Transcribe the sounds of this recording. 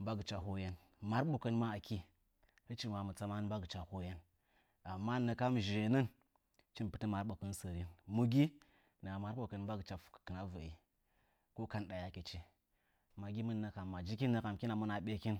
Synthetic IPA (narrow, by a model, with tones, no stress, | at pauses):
ba˦ɡɨ˨t͡ʃa˨ɦo˦je˦n | ma˦ɾɓo˨kə˦n˦ma˦a˨ki˦ | ə˦t͡ʃi˦ma˨mə˨t͡sa˦ma˦ba˦ɡɨ˨t͡ʃa˨ho˦je˦n | a˨mːa˦˨nə˨ka˦m˨ʒe˨nə˦n | t͡ʃi˦npɨ˦tə˦ma˨ɾɓo˨kə˦n˦sə˨ɾi˦nmu˨ɡi˦ | na˨ma˦ɾɓo˨kə˨n˨˦ba˦ɡə˨t͡ʃa˨fkkə˨na˦və̰˨ḭ˨ | ko˦ka˦nɗa˨ja˨ke˨t͡ʃi˦ | ma˨ɡʲi˦mə˦nː˦ə˦ka˨mːa˨d͡ʒi˦ki˦nːə˦ka˨m˨ki˦na˨mu˦na˨ɓe˦ki˦n